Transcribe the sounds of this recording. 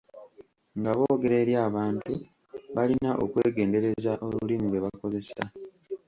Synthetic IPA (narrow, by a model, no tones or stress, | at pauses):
ŋɡaβo̞ːɡe̞ɾe̞ːɾjaːβaːntu | βalinaʔo̞kweːɡe̞ːnde̞ɾe̞zaʔo̞lulimiβwe̞βako̞ze̞sa̰